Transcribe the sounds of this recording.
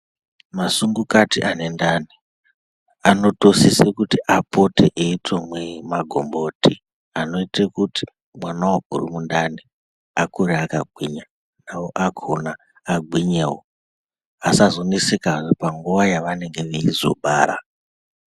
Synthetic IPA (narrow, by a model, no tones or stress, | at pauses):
masuŋɡukatiʔane̞ndani | ano̞tosisekutiʔapoteʔeitwemwemaɡʱo̞̰mbo̞ti | ano̞itekuti̥ | mwanawoɡ̥ʱṵrumundani | akuɾeakaɡʱwiɲa | nawoʔaɡʱonaː | ɡʱwiɲewo | asazonisekaʐopaŋɡuʋajaʋane̞ŋɡe̞ʋeizo̞̰ɓaːɾa̰